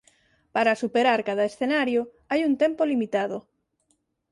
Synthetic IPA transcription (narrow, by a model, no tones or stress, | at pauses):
paɾasupeɾaɾkaðɐesθenaɾjo | ajunt̪empolimit̪aðo